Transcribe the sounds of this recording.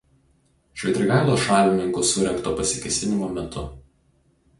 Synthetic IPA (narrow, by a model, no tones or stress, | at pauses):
ʃʲʋʲɛɪt̪ʲɾʲɪɡɑˑɪlˠoːʃɑːlʲɪmʲɪŋkʊsʊɾʲɛŋkt̪oːpɐsʲɪkʲɛsʲɪnʲɪmoːmʲɛt̪ʰʊ